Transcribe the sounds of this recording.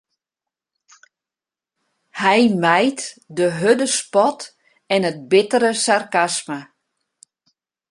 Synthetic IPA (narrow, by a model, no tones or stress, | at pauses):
hɛjmɛjtdəɦødəspɔt | ɛnət̚bɪtəɾəsarkasmə